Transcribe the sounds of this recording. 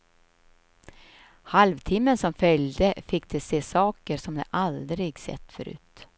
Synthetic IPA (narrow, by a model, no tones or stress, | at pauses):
halvt̪ʰɪmːənsɔmfœljd̪əfɪkːd̪ɛseːsɑːkəɾʂɔmd̪ɛ̰ʔald̪ɾɪɡsɛ̰t̪ːfœɾʉ̟̰ːt̪